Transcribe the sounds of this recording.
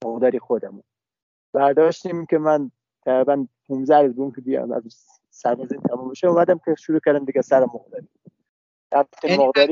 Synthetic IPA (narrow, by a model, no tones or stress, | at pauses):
moɣd̪ɒːɾixod̪æmun | b̥æɾd̪ɒːʃt̪imikʰʲemæn | t̪ʰæɣɾibænpʰumzæɾuzbeunkʲʰebij̰mæ̰z | sæɾbæziːnt̪ʰæmumbeʃeuːmæd̪æmkʰʲeʃuɾuːkʰʲæɾd̪æmd̪iɡʲæsæɾæmːoɣd̪ɒːɾi | dæmt̪ik̪imoɣd̪ɒɾi